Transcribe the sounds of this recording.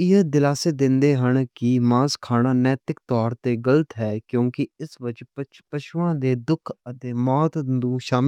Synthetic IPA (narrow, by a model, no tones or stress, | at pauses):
ɪd̪ɪlaːseːd̪ɪ̃nd̪eːɦəɳkɪmãːskʰaːnaːnɛːt̪ɪkt̪ɔːɾt̪eːɡələt̪ɦɛːkjõːkɪɪsbəd͡ʒp | pəʃʊãːd̪eːd̪ʊkʰət̪eːmɔːt̪d̪ũːʃaːmɪ